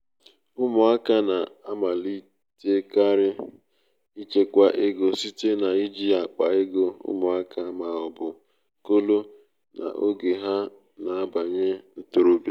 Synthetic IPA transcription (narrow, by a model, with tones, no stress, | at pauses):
ʊ˦mʊ˨a˦ka˦na˨a˦ma˨li˦ | te˦ka˦ɾɪ˦ | i˦t͡ʃe˦kʷa˦ʔɪ˦ɡo˨si˦te˦na˨i˦d͡ʒi˦a˨k͡pa˨e˦ɡo˦ʊ̰˦mʊ˨a˦ka˦ma˨ɔ˨bʊ˨ | ko˦lo˦ | nʔa̰˨ʔo˦ɡe˨ɦa˦ | na˨a˦ba˨ɲe˦n̩˦to˨ɾo˦bja˦